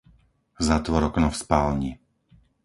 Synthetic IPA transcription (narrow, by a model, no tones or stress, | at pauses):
zat̪ʋɔɾɔknɔfspaːlɲi